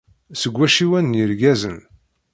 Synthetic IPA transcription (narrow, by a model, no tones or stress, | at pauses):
səɡʷːæʃiwænːjəɾɡæzə̰n